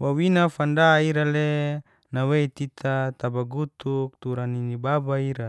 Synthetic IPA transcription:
wawinafandaiɾale | naweit̪it̪ʰat̪abaɡut̪uk̚t̪uɾaninibabaiɾa

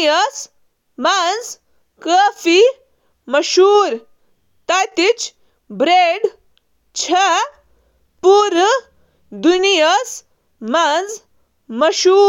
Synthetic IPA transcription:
jəs | mand͡z | kəfi | məʃuːɾ | t̪ajt̪it͡ɕ | bɾeɖ | t͡ɕʰa | puɾ | d̪unijəs | mand͡z | mɐʃuː

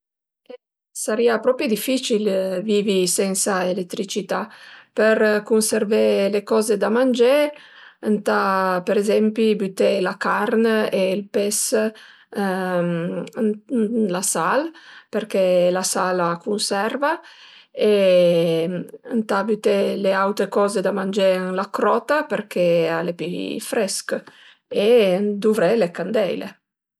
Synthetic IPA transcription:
e | saɾiapɾɔpid̪ifːit͡ʃilvivisɛnsaelet̪ːɾit͡ʃit̪apeɾkunseɾvelekɔzed̪amand͡ʒe | ənt̪apeɾezɛmpibyt̪elakaɾneilpɛs | lasalpeɾkelasalakunsɛrva | e | nt̪abyt̪eleawt̪ɾekɔːzed̪amand͡ʒeŋlakɾɔt̪apeɾkʰealepifɾɛsk | ed̪uvɾɛlekand̪ɛjlḛ

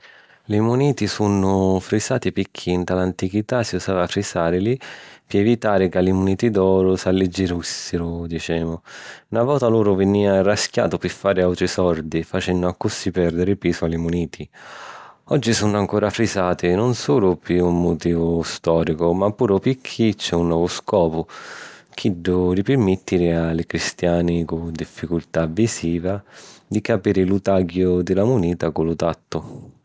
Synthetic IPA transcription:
limuniːt̪isunʊfɾisaːt̪ipikʰːiːnt̪alant̪ikit̪asiusaːvafɾisaːɾɪlipɪɛvit̪aːɾɪkalimuniːt̪id̪ɔːɾʊsalːid͡ʒːiɾusɪɾʊd̪it͡ʃɛːmʊnavɔːt̪aluːɾʊvɪniːarask̟ja̰ːt̪ʊpɪfːaːɾɪawt̪ɾisɔɾd̪ifat͡ʃɛnːʊakːusːipɛrd̪ɪɾɪpiːsʊalimuniːt̪ʰi | ɔd͡ʒːisunaŋkoːɾafɾisaːt̪ɪnʊnsuːlʊpiumːʊt̪iːvʊst̪ɔːɾikʊmapːuːɾʊpikʰːit͡ʃɛunːɔːvʊskɔːpʊk̟ʰiɖːʊɾipɪɾmɪt̪ːiɾɪalɪkɾist̪jaːnɪkʊd̪ifːikult̪avːisiːvad̪ikapiːɾɪlut̪aɡjʊd̪ɪlamuniːt̪akʊlʊt̪at̪ːʊ

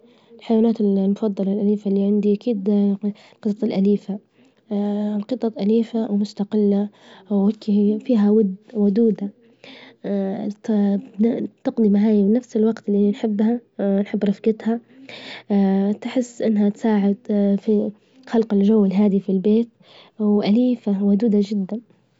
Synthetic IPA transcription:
lħajwaːnaːt̪ɪllmʊfɑd̪ˤːɑlalʔaliːfalːiʕɪnd̪iʔakiːd̪ | lqɨsˤɑt̪ˤɪlʔaliːfa | lqɨt̪ˤːɑʔaliːfawmʊst̪aqɪlːa | ɪkːifiːɦawʊd̪wʊd̪uːd̪a | t̪ɪqd̪ˤimaʕaːjafnafsɪlwaɡt̪lːinħɪbːhanħɪbːɾˤɑfɡɪt̪ha | t̪ħɪsːʔɪnːhat̪saːʕɪd̪fi | xalqɪld͡ʒawːɪlɦaːd̪ifilbeːt̪̚ | wʔaliːfawad̪uːd̪ad͡ʒɪd̪ːan

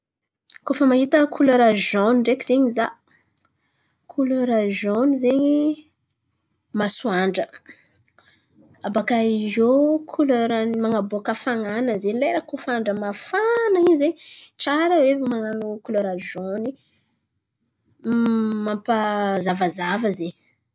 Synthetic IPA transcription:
kofəmaɦit̪əkʰuloɾaʒoniɳɖ͡ʐekiz̥eɲiza | kʰuloɾazonizeɲi | masuaɳɖ͡ʐə | abakaizokʰuløɾanmaŋaboakəfaŋanəzenleɾakufaɳɖ͡ʐəmafanaizeɲʈ͡ʂaɾəwevimaŋanukuloɾaʒoni | mampazavazavəzeɲ

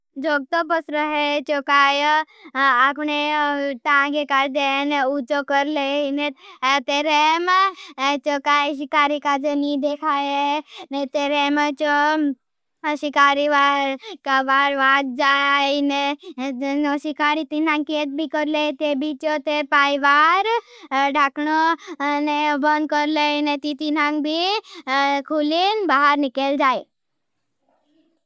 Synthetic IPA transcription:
d͡ʒoɡ̚t̪opəsɾəɦet͡ʃokaːj | apɳeʈ̪ãɡekaɾd̪enut͡ʃokəɾleinet̪eɾem | t͡ʃokajʃikaːɾikad͡ʒenid̪ekʰajeenet̪eɾemt͡ʃo | ʃikaːɾiʋakaʋaɾʋat̪̚d͡zaine | nɔsikaɾit̪in̤ãŋket̪̚bʱikəɾlet̪ebʱit͡ʃɔt̪epajʋaɾɖʱakɳonebənd̪̚kəɾlenet̪it̪in̤ãŋbʱi | kʰuliːnbaɦaɾnikeld͡ʒae

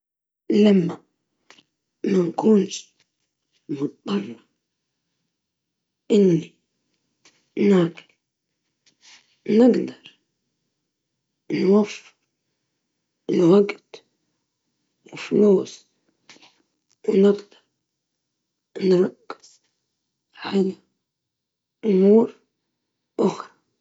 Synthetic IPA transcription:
lamːa | mankuːnʃ | mʊt̪̚b̪ˤɑrˤːɑ | ʔɪnːi | naːɡɪl | nɪɡd̪ɑɾˤ | nwafːɪ̥ɾ | nwaɡɪd̪ | wɪfluːs | wnɪɡd̪ɑɾˤ | nɾˤɑkːɪ̥z̥ | ʕaja | ʔʊmuːɾ | ʔʊxɾˤɑ

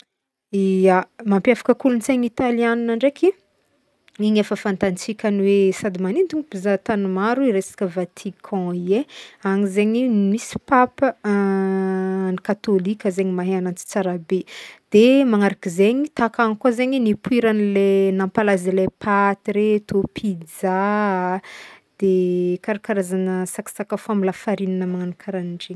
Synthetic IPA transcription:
iamampjafḁkəkulunt͡seɲit̪alianinaɳɖ͡ʐekʰi | iɲafəfãnt̪ant͡sikʲaniwesad̪imanint̪uŋipizat̪anumaɾuiɾesḁkʲəvat̪ʰikʰɑ̃ieaŋizeɲimisi̥papə | nikat̪olikʲəzeɲimaɦeanant͡si̥t͡saɾabed̪̥emaŋaɾakizeɲit̪akaŋikwozeɲinipuiɾanilenãmpalazilepʰat̪iɾet̪opʰid͡za | d̪̥ekaɾakaɾazanəsakḁsakəfoamilafaɾinanəmaŋanakʰaɾaniɳɖ͡ʐeɲ

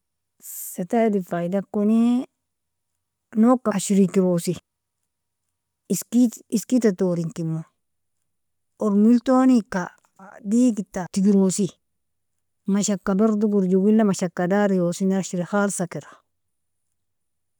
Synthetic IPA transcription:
satadifajdakːoni | nokːaaʃiɾikiɾosi | skiiskitatoːɾiŋkimːo | oɾmiltoːnika | diːkitːatiɡiɾosi | maʃakːabaɾduɡuɾd͡ʒuwilːamaʃakːadaːɾijosinaʃiɾixalsakiɾḁ

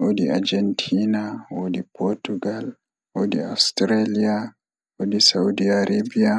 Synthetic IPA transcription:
ʔodia̰ɾd͡ʒɛntʰinawodipʰɔtuɡal | wodia̰stɾelia | wodisaudiaɾebija

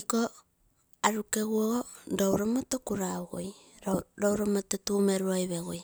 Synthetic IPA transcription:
iko | aɾukeɣuoɣondowɾomotokuɾauɣo̰j | ɾɾowɾomototumeɾuajβeɣoj

